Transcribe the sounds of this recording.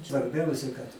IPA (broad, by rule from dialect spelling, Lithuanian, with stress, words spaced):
sʋɐrʲˈbʲɛʊsʲɛ kɐt